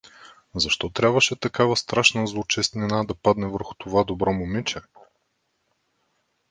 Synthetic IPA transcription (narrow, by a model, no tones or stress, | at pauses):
zɐʃt̪ɔt̪ɾʲabvəʃɛt̪ɐkavəst̪ɾaʃnəzlˠot͡ʃɛst̪nʲɛnad̪ɐpad̪nɛvəɾxʊ̥t̪ovad̪obɾɔmʊmit͡ʃɛ